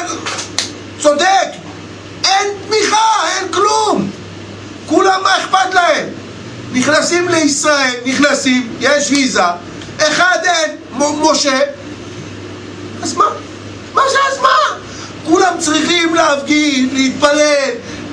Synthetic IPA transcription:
t͡sod̪ek | ent̪miχaenklum | kulamːaeχpat̪lahem | niχnasimleisʁaelniχnasimjeʃviza | eχad̪en | mo̞ʃe | azman | maʃeazman | kulamt͡sʁiχimleavɡiʃleit̪̚palel

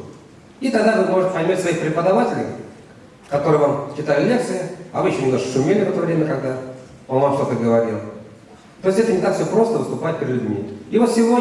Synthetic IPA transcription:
it̪ɐɡd̪avɨmo̞ʐɨt̪ʲpɐjmʲatʲsvɐixpɾʲɪpəd̪ɐvatʲɪlʲɪ̰ | kɐt̪o̞ɾɨjvamt͡ɕɪt̪ajʊt̪lʲe̞k̚t̪sɨjɪɐvɨɕnənʲɪnoʂkʂʊmʲelʲɪvɛt̪ovɾʲemʲəkɐɡ̚d̪a | onvamʂt̪ot̪əɡəvɐɾʲilˠ | t̪oɪsʲtʲɛt̪ənʲɪt̪akfsʲopɾo̞st̪əvɨst̪ʊpat̚ʲpʲɪɾɪd̪lʲʊd̪ʲmʲḭivot̪sʲɪvo

